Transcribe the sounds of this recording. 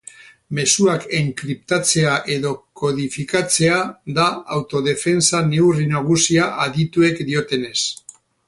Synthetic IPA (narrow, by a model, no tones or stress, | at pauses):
me̞suakeŋkɾip̚t̪at͡se̞aʔe̞ðo̞ko̞ð̞ifikat͡se̞aðaawt̪o̞ðe̞fe̞nsane̞urinaɣ̞usiaʔaðit̪ue̞kd̪io̞t̪e̞ne̞s